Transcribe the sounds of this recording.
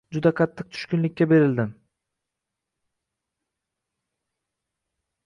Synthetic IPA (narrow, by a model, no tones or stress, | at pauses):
d͡ʒʊd̪aqʰɑt̪ʰːɨq̚t̪ʰʊ̥ʃkʲʊnlɪkʲːabe̞ɾɪld̪ɪm